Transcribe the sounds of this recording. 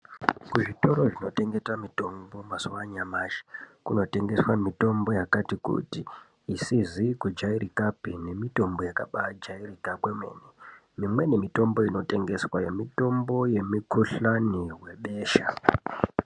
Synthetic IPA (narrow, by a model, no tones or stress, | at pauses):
kuʐito̞ɾo̞ʐino̞te̞ŋɡe̞tamito̞mbo̞masuwaɲamaːʃi̥kuno̞te̞ŋɡe̞swamito̞mbo̞jakatikṵtiː | sizikud͡ʒaiɾikapine̞mito̞mbo̞jaka̰ɓad͡ʒairikakwemwḛːni | mimwe̞ne̞mito̞mbo̞ino̞te̞ŋɡe̞swaje̞mito̞mbo̞je̞mikʰuɬaniwe̞ɓe̞ːʃa̰